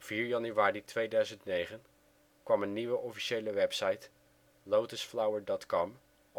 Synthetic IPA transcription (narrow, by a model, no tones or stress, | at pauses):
fiːɹjɑnyʋaːritʋejdœɥzəntnejχən | kʋɑmənːiʋəʔɔfi̥ʃejləʋɛpsɑjt | lowtəsflawəɹdɔtkɔm